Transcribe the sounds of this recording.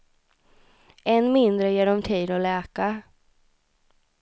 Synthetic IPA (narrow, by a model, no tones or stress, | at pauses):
ɛnmɪnd̪ɾəjeːɖɔmt̪ʰiːd̪ɔlɛːka